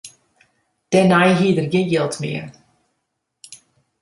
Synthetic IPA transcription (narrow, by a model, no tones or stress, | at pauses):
d̥ɛnajɦiːdərɡɪnjɪlˠtmɪ̰ə